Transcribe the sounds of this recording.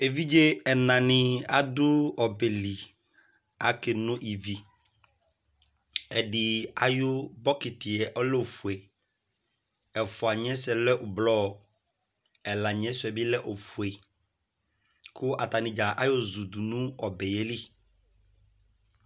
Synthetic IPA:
e˨vi˦d͡ʒe˦ɛ˨nã˨nɪ̃˨˦a˨dʊ˦ɔ˨bɛ˨li˨ | a˨kɪ˨nʊ̃˦ʔi˨vi˨ | ɛ˨dɪ˨a˦jʊ˦bɔ˦kɪ˨tɪ˨ɛ˨ʔɔ˦lɛ˦o˨fe˨ | ɛ˨fʊ˨a˨ɲ˦ɛ̃˦sɛ˨lɛ˦ʔʊ˨blɔ˦˨ | ɛ˨la˨ɲ˨ɛ̃˦sʊ˨ɛ˨bɪ˦lɛ˦ʔo˨fu˨e˨ | kʰʊ˦ʔa˨ta˨nɪ̃˨d͡ʒa˨ʔa˦jʊ˦zu˨du˨nũ˦ɔ˨bɛ˨jɛ˦li˦

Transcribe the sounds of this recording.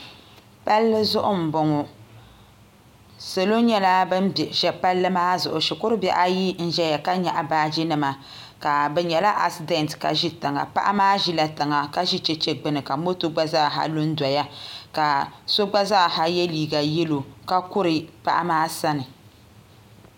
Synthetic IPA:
pa˦lːɨ˦zʊ˦ʔʊ˦m̩˨bɔ˨ŋɔ˨ | so˨lo˦ɲɛ˦la˦bɨ˦m˨ʒɛ˨pa˦lːɨ˦maː˦zʊ˨ʔʊ˨ʃɪ˨kʊ˦ɾɨ˦bɛ̰˨ʔa˦ji˦n̩˦ʒɛ˦ja˨ka˦ɲa˨ʔa˨baː˦d͡ʒi˦nɨ˨ma˨ | ka˨bɛ˨ɲɛ˨la˦ʔa˨si˦de˦ntka̰˨ʒi˦tɨ˨ŋa̰˨pa̰˦ʔa˦maː˦ʒi˦la˦tɨ˨ŋa˨ka˦ʒi˦t͡ʃɛ˦t͡ʃɛ˦ɡ͡bɨ˦nɨ˨ka˨mo˦to˦ɡ͡ba˦za˦˨ɦa̰˦lu˦n̩˦dʷa˨ja˦ka˨so˦ɡ͡ba˦za˦˨ha˦jɛ˦liː˨ɡa˨jɛ˦lo˨ka˦kʊ˦ɾɨ˨pa̰˦ʔa̰˦maː˦sa˦nɨ˨

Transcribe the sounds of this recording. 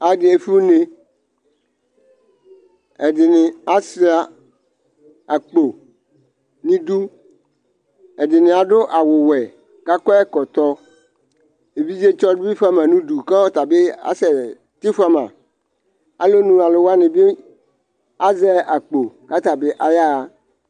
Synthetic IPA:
a˨dɪ˨˦e˨fi˦u˦ne˦ | ɛ˨dɪ˨nɪ̃˨a˦sa˨ | a˨k͡po˨ | nɪ̃˦du˦ | ɛ˨dɪ˨nɪ̃˨a˨ɖʊ˦ʔa˨wʊ˨wɛ˨ | ka˦kɔ˦ɛ˦kɔ˨t̪ɔ˦ | e˨bi˦vi˦e˦t͡ʃɔ˦dʊ˦i˦fa˦mã˨nũ˦du˨kã˦ɔ˦t̪a˨be˦a̰˦˨sɛ˨ | t̪ɪ˦fa˦mã̰˨ | a̰˨lo˦nũ˦a˨lʊ˨wa˦nɪ̃˨bɪ˦ | a˦zɛ˦ʔa˨k͡po˨ka˦t̪a˨bɪ˦ʔa˨ja˦˨

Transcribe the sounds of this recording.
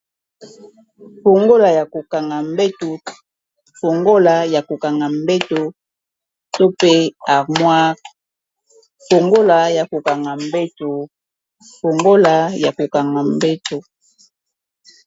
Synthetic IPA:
fo˨ŋɡo˦la˨ja˨ko˨ka˨ŋɡa˨mbe˦to˨ | fo˨ŋɡo˦la˨ja˨ko˨ka˨ŋɡa˨mbe˦to˨ | to˦pe˦a˨mwa˦ | fo˨ŋɡo˦la˨ja˨ko˨ka˨ŋɡa˨m˦be˦to˨ | ko˨ŋɡo˦la˨ja˨ko˨ka˨ŋɡa˨mbe˦to˨

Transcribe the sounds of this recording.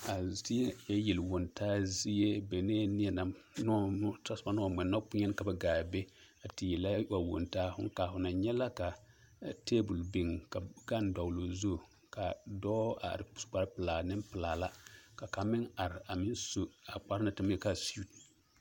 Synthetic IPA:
a˨zi˦e˦jɛ˦ji˨lwo˨ntaː˦zi˦je˦bɛ˨neː˦nɪ˦ɛ˨na˨nɔ˦ta˦sba˦nɔ˦˨mɛ˨nːɔ˦pu˦ɲɛ˦n˦ka˨bɛ˨ɡaː˨be˦a˨tɪ˨ji˨la˦wa˨wo̰˨ntaː˦hʊ̰˦ŋka˨ɦʊ˨na˨ɲɛ˦la˦ka˨ | te˦bu˨lbi˨ŋka˨ɡa˦n˦da˨wlo˨zo˦˨ | ka˨dɔː˦a̰˨ɾɪ̥˨sɡ͡ba˨ɾpɪ˨laː˨nɪ˦mpɪ˨laː˨la˦ka˨ka˨mɪ˦ŋa˨ɾɪ˨a˨mɪ˦nso˦a˨k͡pa˦ɾna˦tɪ˨m˦ɛ˨ka˨su˦t

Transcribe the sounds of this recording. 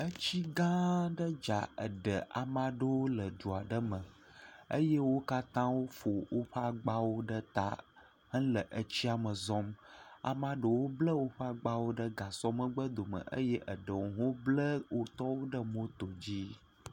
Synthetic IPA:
ə˦t͡ɕi˦ɡã˦ɖə˦d͡ʒa̰˨ə̰˨ɖə˨ʔa̰˨mã˦ɖə˦wo˦lə˨ɖu˨a˨ɖə˦mə̃˨ | ə̰˦je˦wo˦ka˦t̪ã˦wo˦fo˨wʔo˦ɸa˦ɡ͡ba˦wo˦ɖə˦t̪a̰˦ | hə̃˦lə˨ʔə˨t͡ɕi˦a˨mə˨zɔ̃˦ma̰˨mã˦ɖə˨wo˦blə˦wo˦ɸa˦ɡ͡ba˦wo˦ɖə˦ɡa˨sɔ˦mə˦ɡ͡bə˦d̪o˨mə̰˨ʔə̰˦jɛ˦ʔə˨ɖə˨wo˨ɦo˦blə˦wo˦t̪ɔ˦wo˦ɖə˦mo˦t̪o˨d͡ʑi˦

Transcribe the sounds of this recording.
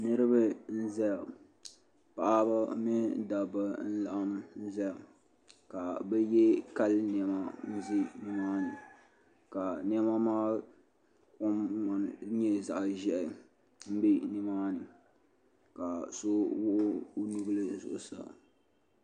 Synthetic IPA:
nɨ˦ɾɨ˦bɨ˦n̩˦zɛ˦a˨ | pa˨ʔa˦ba˦mɪ˦da˨ba˨n̩˦la̰˨ʔa˦mn̩˦zɛ˦a˨ | ka˨bɛ˦jɛ˦ka˦ln˨ɛ˨ma˨n̩˦zɪ˦nɪ˦maː˦nɨ˨ | ka˨n˦ɛ˦ma˦maː˦ | kʊ˦mːa˨n˨ɲɛ˦za˨ʔʒɛ˦ʔɪ˨ | m̩˦be˦nɪ˦maː˦nɨ˨ | ka˨so˦wʊ˦ʔʊ˦nu˦ɡlɨ˦zʊ̰˨ʔʊ˨sa̰˨

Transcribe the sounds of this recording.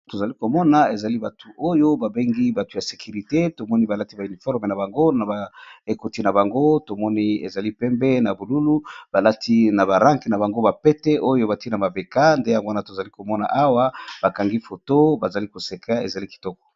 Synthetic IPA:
to˨za˨li˦ko˨mɔ˦na˨e˨za˨li˦ba˨tʰu˨ʔo˦jo˦ba˨be˦ŋɡi˦ba˨tu̥˨ja˨se̥˨ky˨ʁi˨te˦to˨mɔ˦ni˦ba˨la˦ti˦ba˨y˨ni˨fɔ˦ʁme˨na˨ba˨ŋɡo˦na˨ba˨e˨ko˨ti˦na˨ba˨ŋɡo˦to˨mɔ˦ni˦ḛ˨za˨li˦pɛ˦mbɛ˦na˨bu˨lu˦lu˦b̥a˨la˦tʰi˦na˨ba˨ʁã˦ŋke˨na˨ba˨ŋɡo˦ba˨pɛ˦tɛ˦ʔo˦jo˦ba˨ti˦na˨ba˨be˨ka˦nde˦ja˨ɡwa˦na˦˨to˨za˨li˦ko˨mɔ˦na̰˨ʔa˦wa˦b̥a˨ka˨ŋɡi˦fo˨to˦ba˨za˨li˦ko˨se˨kʰa˦e˨za˨li˦ki̥˨tɔ˦kɔ̥˨

